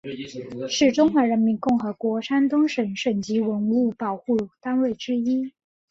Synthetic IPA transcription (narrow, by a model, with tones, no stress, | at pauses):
ʂɻ̩˥˩ʈ͡ʂʊ˥ŋxwa˧˥ɻə˧˥nmi˧˥nkʊ˥˩ŋxɤ˧˥kwɔ˧˥ʂa˥nt̪ʊ˥ŋʂə˧˥nʂə˨˩nt͡ɕi˧˥wə˧˥nu˥˩pɑ˨˩ʊxu˥˩t̪a˥nwe˥˩ɪʈ͡ʂɻ̩˥i˥